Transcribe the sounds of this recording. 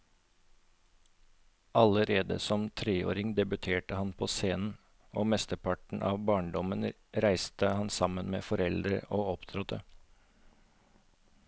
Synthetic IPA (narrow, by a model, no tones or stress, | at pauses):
ʔɑləɾeːd̪ə̰sɔmt̪ʰɾeːo̰ːɾɪŋd̪ɛbʉt̪ʰeːʈəhɑnpʰoːseːnn̩ | oːmɛst̪əpʰɑʈɳ̩ʔɑ̰ːʋbɑːɳɖɔmən | ɾæɪst̪əhɑnsɑmənmḛːfɔɾɛld̪ɾəʔoːɔpt̪ʰɾɔt̪ə